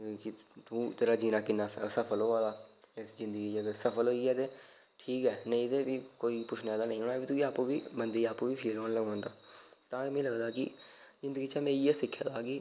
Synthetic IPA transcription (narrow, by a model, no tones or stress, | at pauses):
kɪ | t̪ũːt̪eːɾaːd͡ʒiːnaːkɪnːaːsəpʰəlɦoːaːd̪aːɪszɪ̃nd̪əɡiːt͡ʃəɡəɾsəpʰəlɦoːiːɛːt̪eː | ʈʰiːkɛːnĩːt̪eːbiːkoːiːpʊt͡ʃʰnɛːd̪aːnəĩɦoːnaːbiːt̪ʊiaːpũːʋiːbənd̪iːaːpũːʋiːpʰeːlɦoːnləɡõːnd̪aːt̪ãːmẽːləɡd̪aːkɪ̰zɪ̃nd̪əɡiːt͡ʃaːmẽːiːɛːsɪkʰːja̰ːd̪aːɡi